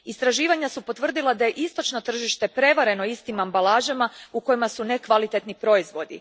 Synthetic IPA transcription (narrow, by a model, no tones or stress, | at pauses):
ist̪ɾaʒiːʋaɲasupo̞t̪ʋr̩d̪ilˠad̪aje̞ʔist̪o̞t͡ʃno̞t̪r̩ʒiʃt̪e̞pɾe̞ʋaɾe̞no̞ist̪imambalaːʒamauko̞jimasune̞kʋalit̪et̪nipɾo̞izʋo̞d̪ḭ